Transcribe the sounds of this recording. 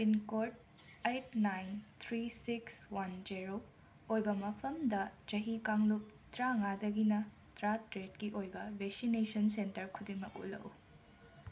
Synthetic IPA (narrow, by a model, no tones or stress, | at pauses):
pinkoɾt̚ | ejt̚najnt̪ʰɾisikswɐnd͡ʒiɾo | ojbɐmɐpʰɐmdɐd͡ʒɐɦikaŋlup̚tɾaŋadɐɡinɐ | tɾatɾet̚kiʔojbɐbeksinesɐnsentɐɾkʰudiŋmɐkṵlɐ̰wu